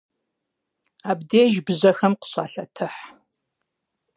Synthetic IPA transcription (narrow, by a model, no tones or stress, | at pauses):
aːbdeːʒbɨʑɐxɐmqə̥ɕa̰ːɬɐtʰɨħ